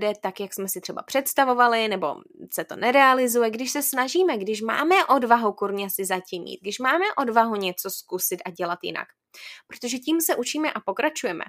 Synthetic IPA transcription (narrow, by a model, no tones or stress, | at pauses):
dɛt̪akjaksmɛsɪt̪r̝̥ɛba̰pr̥ɛt̪st̪avo̞valɪnɛbo̞̰sɛt̪o̞̰nɛɾɛalɪzujɛɡdɪʃsɛsnaʒiːmɛɡdɪʃ̬ma̰ːmɛʔo̞dvaɦukuɾɲɛsɪzacimɲḭːt̪̚ɡdɪʃmaːmɛʔo̞dvaɦuɲɛt͡so̞skusɪt̪ʔaɟɛlat̪jɪ̰na̰k | pɾot̪oʒɛciːmsɛʔut͡ʃiːmɛʔapo̞kɾat͡ʃujɛmɛ̰